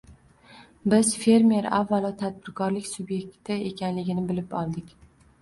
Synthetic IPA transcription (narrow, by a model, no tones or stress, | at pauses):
bɪzfe̞ɾme̞ɾa̰vːalˠɒt̪ʰad̪̚bɪɾkʰɒɾlɪkʲsʊbje̞k̚ʲt̪ɪe̞kʲʰanlɪɡʲɪnɪbɪlɪpɒlˠd̪ɪkʲ